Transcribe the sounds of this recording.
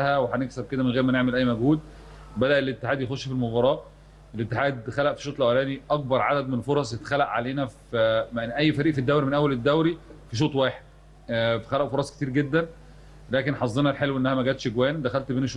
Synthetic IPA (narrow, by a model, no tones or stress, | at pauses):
æhæweħæneksæb̚ked̪æmenɣeːɾmæneʕmelʔæjːmæɡhuːd̪̚ | bæd̪æʔelet̪ːe̥ħaːd̪jexoʃːfilmobɑɾˤɑːʔ | ʔelet̪ːeħaːd̪xælæʔfi̥ʃoːt̪ˤlʔæwælæːniʔɑk̚bɑɾˤʕad̪æd̪menfoɾˤɑsˤjet̪xælæʔʕaleːnæfmenʔæjːfæɾiːʔfid̪ːæwɾimenʔæwːæled̪ːæwɾifiʃ̬oːt̪ˤwæːħed̪̚ | fæxælæʔfoɾˤɑsˤket̪iːɾɡed̪ːæn | læːkenħɑzˤːenɑlħelwʔenːæhæmæɡæːt̪ʃeɡwæːnd̪æxælt̪beːneʃ